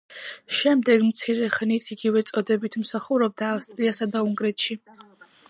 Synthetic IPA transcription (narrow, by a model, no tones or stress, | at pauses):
ʃɛmd̪ɛɡmt̪sʰiɾɛχnit̪ʰiɡivɛt̪sʼɔd̪ɛbit̪ʰmsaχuɾɔb̚d̪aːfst̪ʼɾiasad̪auŋɡɾɛt̪ʰʃi